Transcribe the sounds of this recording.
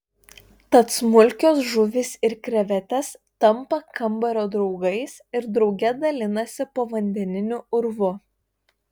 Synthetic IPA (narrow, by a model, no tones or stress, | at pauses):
t̪ɐt̪smʊlʲˑkʲoːsʒʊʋʲɪsɪɾkɾʲɛʋʲɛt̪ʲɛst̪ɐmpɐkɐmˑbɐɾʲoːd̪ɾɒʊɡɐɪsɪɾd̪ɾɒʊɡʲɛd̪ɐlʲɪnɐsʲɪpoːʋɐnʲd̪ʲɛnʲɪnʲʊʊɾʋʊ